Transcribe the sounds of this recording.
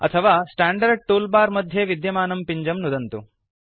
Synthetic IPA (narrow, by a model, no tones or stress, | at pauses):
ɐ̰t̪ʰɐʋaːsʈaːɳɖɐɾɖ̚ʈuːlbaːɾmɐd̪ʱjeʋid̪jɐmaːnɐmpiɲd͡ʒɐmnud̪ɐnt̪ṵ